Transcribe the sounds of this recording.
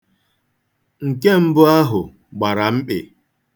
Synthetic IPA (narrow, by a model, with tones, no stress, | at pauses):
ŋ̩˨ke˦m̩˦bʊ˦a˦ɦʊ˨ | ɡ͡ba˨ɾa˨m̩˦k͡pḛ˨